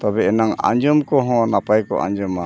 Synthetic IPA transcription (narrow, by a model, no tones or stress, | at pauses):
t̪abɛɛnaŋa̰ɲd͡ʒɔmkɔɦɔ̃napajkɔ̰ʔa̰ɲd͡ʒɔma